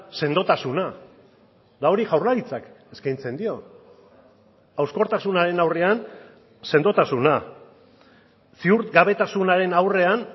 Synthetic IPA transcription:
se̞nd̪o̞t̪asuna | d̪ao̞ɾiʝawrlaɾit͡sake̞skajnt͡se̞nd̪io̞ | awsko̞ɾt̪asunaɾe̞nawre̞an | se̞nd̪o̞t̪asuna | siuɾɡaβe̞t̪asunaɾe̞nawre̞an

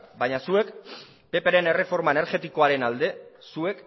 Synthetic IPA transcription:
bajɲasue̞k | pe̞peɾe̞ne̞re̞fo̞ɾmaeneɾɣe̞t̪iko̞aɾe̞nald̪e̞sue̞k

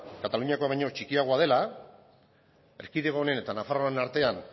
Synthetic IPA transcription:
kat̪aluɲiako̞aβaɲo̞t͡ʃikiaɣ̞o̞aðe̞la | e̞ɾkiðeɣone̞ne̞t̪anafaroenaɾt̪e̞an

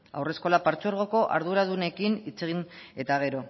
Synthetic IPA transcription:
a̰wre̞sko̞lapaɾt͡so̞ɾɣ̞o̞ko̞ʔa̰ɾðuɾaðune̞kinit͡se̞ɣ̞ine̞t̪aɣ̞e̞ɾo̞

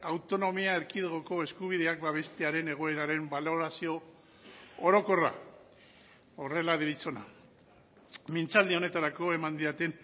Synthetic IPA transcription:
awt̪o̞no̞miae̞ɾkiðeɣoko̞e̞skuβ̞ið̞eak̚baβ̞e̞st̪e̞aɾe̞ne̞ɣ̞o̞e̞ɾaɾe̞mbalo̞ɾasio̞ | oɾo̞ko̞ra̰ | o̞re̞laðiɾit͡so̞na̰ | mint͡sald̪io̞ne̞t̪aɾako̞e̞mand̪iat̪e̞n

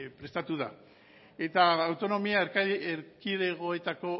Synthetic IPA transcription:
pɾe̞st̪at̪uða | e̞t̪aːwt̪o̞no̞miaeɾkeɾkiðe̞ɣ̞o̞e̞t̪ako̞

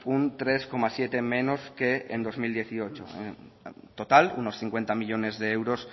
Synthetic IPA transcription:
unt̪ɾe̞sko̞masje̞t̪e̞mẽ̞no̞ske̞end̪o̞zmild̪je̞θio̞t͡ʃo̰ | t̪ot̪alṵno̞sθiŋkwe̞nt̪amiʎo̞ne̞zðeewɾo̞s

